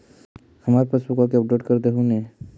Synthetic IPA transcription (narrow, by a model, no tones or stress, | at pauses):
həmaːɾpəsbukãkiɐp̚ɖeʈkəɾd̪eɦũnẽ